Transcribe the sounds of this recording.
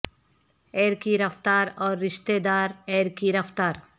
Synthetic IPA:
ɛːɾkiɾɐft̪aːɾɔːɾːɪʃt̪ed̪aːɾɛːɾkiɾɐft̪aːɾ

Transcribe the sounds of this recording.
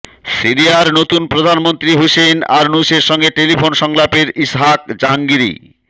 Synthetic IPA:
siɾiaɾnot̪unpɾod̪ʱanmont̪ɾiɦusena̰ɾnuseɾʃɔŋɡeʈeliponʃɔŋlapeɾisɦak̚d͡ʑaɦaŋɡiɾḭ

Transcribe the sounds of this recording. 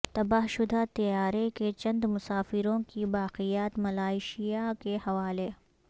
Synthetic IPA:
t̪ɐbaːɦʃʊd̪ʱat̪ɐjaːɾeket͡ʃɐ̃nd̪mʊsaːfɪɾõkibaːqijaːt̪mɐlaːɪʃijakehɐʋaːle

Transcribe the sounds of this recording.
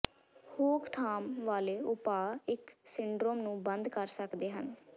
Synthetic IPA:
hoːkt̪ʰaːmʋaːleːʊpaːɪksɪɳɖɾoːmnũːbənd̪kəɾsəkd̪eːɦən

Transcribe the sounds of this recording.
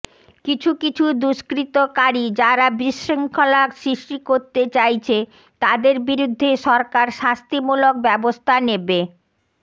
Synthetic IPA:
kit͡ɕʰukit͡ɕʰud̪uʃkɾit̪okaɾid͡ʑaɾabɾiʃːiŋkʰolaksɾiʃʈikoɾt̪et͡ɕajt͡ɕʰe | t̪ad̪eɾbiɾud̪ʱːeʃɔɾkaɾʃast̪imulok̚bɛbost̪ʰanebe

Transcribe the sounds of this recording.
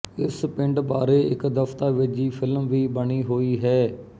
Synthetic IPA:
ɪspɪ̃ɳɖbaːɾeːɪkd̪əft̪aːʋɪd͡ʒiːpʰɪlmʋiːbəɳiːɦoːiːɦɛː

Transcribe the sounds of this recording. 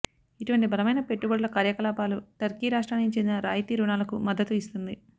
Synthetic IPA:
iʈuʋɐɳʈibʱɐlɐmɐjnɐpe̞ʈːubɐɽulɐkaːɾjɐkɐlaːpaːluʈɐɾkiːɾaːʂʈɾaːnit͡ʃend̪inɐɾaːjt̪iːɾuɳaːlɐkumɐd̪ːɐt̪uist̪und̪i

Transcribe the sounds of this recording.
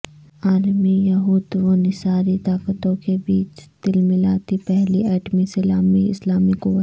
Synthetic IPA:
aːlmijɐɦuːd̪ʋoːnɪsaːɾit̪aːkət̪õkebiːt͡ʃd̪̥ɪlmɪlaːt̪ipɛɦliɛːʈmisɪlaːmiɪ̰slaːmikoʋɐ

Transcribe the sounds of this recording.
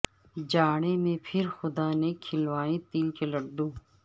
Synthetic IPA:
d͡ʒaːɽ̃emẽpʰɪɾxʊd̪aːnekʰɪlʋaːẽt̪iːlkelɐɖɖõː

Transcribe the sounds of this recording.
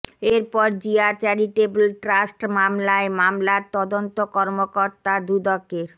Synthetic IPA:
eɾpɔɾd͡ʑiat͡ɕaɾiʈebelʈɾasʈmamlaemamlaɾt̪ɔd̪ont̪okɔɾmokoɾt̪ad̪ud̪okːeɾ

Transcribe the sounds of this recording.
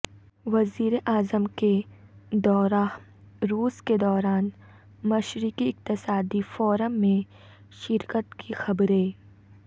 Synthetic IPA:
ʋɐziːɾeʔaːzəmke | d̪ɔːɾa | ɾuːsked̪ɔːɾaːn | mɐʃɾikiɪq̚t̪ɪsaːd̪ifɔːɾəmːẽ | ʃɪɾkət̪kʰixɐbɾẽː

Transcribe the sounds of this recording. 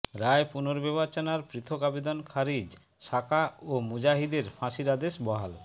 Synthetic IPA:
ɾaepunoɾbɛβat͡ɕonaɾpɾit̪ʰokabed̪ɔnkʰaɾid͡ʑ | ʃakaomud͡ʑaɦid̪eɾfãʃiɾad̪eʃbɔɦal

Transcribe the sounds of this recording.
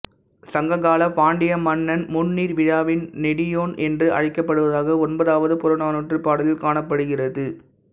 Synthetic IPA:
sɐŋɡɐɣaːlɐpaːɳɖɪjɐmɐnːɐnmʊnːiːɾʋɪɻaːʋɪnnɛɽɪjoːnʔɛndrɯʔɐ̰ɻɪkːɐpːɐɽɯʋɐðaːɣɐɔnbɐðaːʋɐðɯpʊɾɐnaːnuʈrɯpaːɽɯlɪlkaːɳɐpːɐɽɯɣɪrɐðɯ

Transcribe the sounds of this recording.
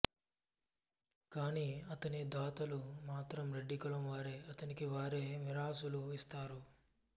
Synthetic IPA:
kaːniːɐt̪ɐnid̪aːt̪ɐlumaːt̪ɾɐmɾeɖːikɐɭɐmʋaːɾe̞ːɐt̪ɐnikiʋaːɾeːmiɾaːsuluist̪aːɾu

